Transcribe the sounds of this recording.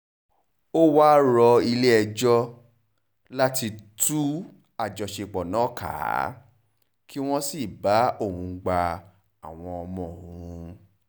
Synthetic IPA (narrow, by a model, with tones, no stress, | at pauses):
o˦waː˦ɾɔ˧i˧le˦ɛ˧d͡ʒɔ˦ | la˦ti˧tʰu˦ | a˦˨d͡ʒɔ˨ʃe˧k͡pɔ˨nã˨˦kʰa̰˨˦ | ki˦w̃ɔ̃˦si˦˨ba˨˦o˦˨hũ˨˧ɡ͡ba˧ | a˨w̃ɔ̃˧ɔ˧mɔ̃˧˨wũ˨˧